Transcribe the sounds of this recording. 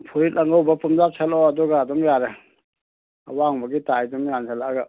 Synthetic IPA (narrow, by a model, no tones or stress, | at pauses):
pʰuɾit̚lʔaŋɡawbɐpumzap̚sʰalɔadɔɡadɔmjaɾe | a̰waŋbɐɡitajdɔmjansʰalaɡa